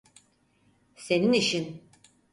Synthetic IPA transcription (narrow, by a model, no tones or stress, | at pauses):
se̞niniʃin